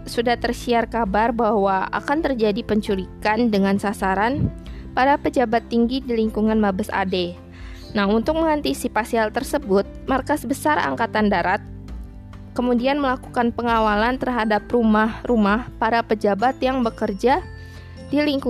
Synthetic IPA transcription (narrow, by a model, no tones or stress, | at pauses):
sudaht̪ərsiarkabarbahwaa̰kant̪ərd͡ʒadipəɲt͡ʃuɾikandəŋansasaɾan | paɾapəd͡ʒabat̪ːiŋɡidiliŋkuŋanmabəsa̰de | naɦunt̪ʊk̚məŋant̪isipasialt̪ərsəbʊt̪̚markasbəsara̰ŋkat̪andaɾat̪̚ | kəmudianməlaku̥kanpəŋawalant̪ərɦadaprumahrumahpaɾapəd͡ʒabat̪jaŋbəkərd͡ʒa | diliŋku